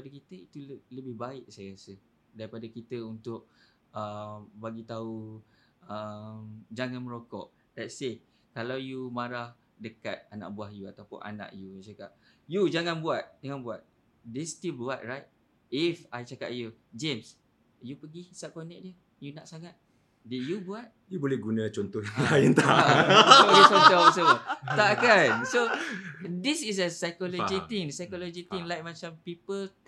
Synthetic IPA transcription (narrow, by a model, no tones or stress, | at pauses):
padakit̪əit̪uləbɪhbaɪʔ̚sajaɾasə | daɾipadakit̪əunt̪ʊʔ̚ | əmbaɡit̪au | əmd͡ʒaŋãnmə̃ɾokɔ̰ʔ | d̥ɛtse | kalawjumaɾah | dəkat̪̚anã̰ʔbuahjuat̪apʊ̰nʔa̰nã̰ʔjuajt͡ʃakaʔ̚ | jud͡ʒaŋãnbuat̪̚d͡ʒaŋanbuat̪̚ | dest̪ilbuat̪̚ɹajt̪̚ | ifajt͡ʃaka̰ʔ̚jud͡ʒems | jupəɡihisap̚konɛk̚diə | junaʔsaŋat̪̚ | dit̚jubuat̪̚ | jubolɛhɡunãt͡ʃɔnt̪ɔhjaŋlaɛnt̪aʔojut͡ʃɔnt̪ɔsot̪aʔkanso | disis̬əsajkolod͡ʒit̪iŋsajkolod͡ʒit̪ĩŋlajk̚mãt͡ʃampipəl